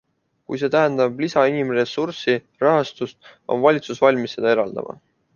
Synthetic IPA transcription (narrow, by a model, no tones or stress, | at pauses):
kujs̬e̞ːt̪æɦend̪ɑb̥lisɑinimre̞suɾsi | rɑɦɑst̪ust̪o̞̰nvɑlʲit̪susvɑlʲmisːe̞d̪̥ɑe̞ɾɑld̪ɑ̰mʔɑ̰